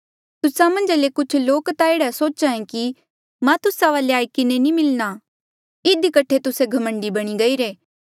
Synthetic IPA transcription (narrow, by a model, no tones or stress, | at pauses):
t̪ʊsamɐ̃nd͡ʒlekʊt͡ʃʰloːkt̪aeːɽasoːt͡ʃãːẽki | mãt̪ʊsaʋaːleaːikɪnenĩmɪlna | ɪd̪ikɐʈʰet̪ʊseɡʱɐmə̃ɳɖibɐɽ̃iɡɐiːɾeː